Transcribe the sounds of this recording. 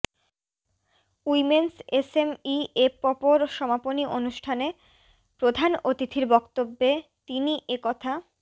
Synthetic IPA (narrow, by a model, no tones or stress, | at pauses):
uimensesemiepɔpoɾʃɔmaponiʔonuʃʈʰane | pɾod̪ʱanot̪it̪ʰiɾbɔkt̪obːet̪iniʔekɔt̪ʰa